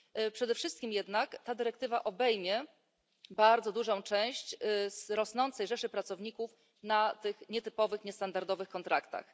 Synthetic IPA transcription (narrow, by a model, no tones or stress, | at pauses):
pʂɛd̪ɛfʂɘst̪kʲimjɛd̪nakt̪ad̪ɘɾɛk̚t̪ɘvaʔɔbɛjmʲjɛ | baɾd̪zɔd̪uʐɔ̃w̃t͡ʂɛ̃w̃ɕt͡ɕsɾɔsnɔnt̪sɛjʐɛʂɘpɾat̪sɔvɲikuf | nat̪ɘxɲɛt̪ɘpɔvɘxɲɛst̪and̪aɾd̪ɔvɘxkɔnt̪ɾʔakt̪a̰x